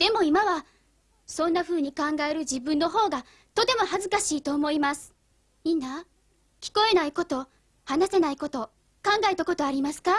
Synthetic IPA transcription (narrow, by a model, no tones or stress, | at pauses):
d̪̥e̞mo̞imaβa | sõ̞nːaɸɯ̟ːɲ̟ikãŋɡae̞ɾɯ̟d͡ʑibɯ̟̃nːo̞ɦo̞ːɡa | t̪o̞t̪e̞mo̞hazɨkaɕiːt̪o̞ːmo̞imasɨ̥ | inːa | kʲi̥ko̞e̞naiko̞t̪o̞ | hanase̞naiko̞t̪o̞ | kãŋɡae̞t̪ako̞t̪o̞aɾʲimasɨ̥ka